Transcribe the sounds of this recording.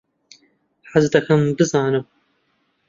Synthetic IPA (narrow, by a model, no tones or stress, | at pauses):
ħazd̪ɐkʰɐmbɨzaːnɨm